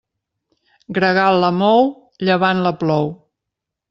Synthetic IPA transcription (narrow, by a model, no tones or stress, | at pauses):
ɡɾəɣalləmɔw | ʎəβanləplɔw